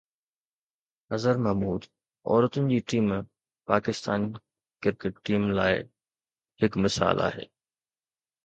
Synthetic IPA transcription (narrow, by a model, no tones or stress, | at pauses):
ɦɐzəɾmɐɦmuːd̪ | ɔ̰ːɾət̪ʊnɪ̆d͡ʑiːʈiːm | paːkɪst̪aːn | kɪɾkeʈʈːiːmlaːɪ | hɪkmɪsa̰ːlʔa̰ːɦḛː